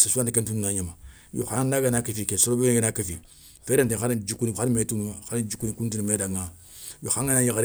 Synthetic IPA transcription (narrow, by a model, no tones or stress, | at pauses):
sasuãndikentunnaɲama | jo̰xaŋnːaɡenakifikesoɾobeɡenakifi | feɾentexaɾind͡ʒukunixanimetunxaɾid͡ʒukunikunt̬unimedaŋa | joxaŋanajikaɾ